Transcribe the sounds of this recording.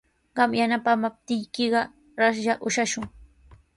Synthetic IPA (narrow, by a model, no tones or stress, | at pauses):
ɢɑmjanapamap̚t̪ɪjkɪɢɑ | ɾasʒaʔʊʃaʃʊŋ